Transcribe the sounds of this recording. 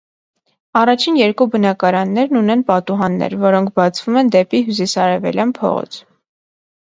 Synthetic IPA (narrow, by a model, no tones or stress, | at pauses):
ɑrɑt͡ʃʰinjɛɾkubənɑkɑɾɑnːɛɾnunɛnpɑt̪uɦɑnːɛ̰ɾvɔɾɔŋkʰbɑt͡sʰv̥umɛnd̪ɛpiɦjus̬isɑɾɛvɛ̰ljɑnpʰɔ̰ʁɔ̰t͡sʰ